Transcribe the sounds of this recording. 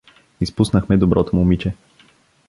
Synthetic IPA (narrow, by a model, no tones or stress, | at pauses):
ispusnəxmɛd̪obɾʔɔt̪omumit͡ʃɛ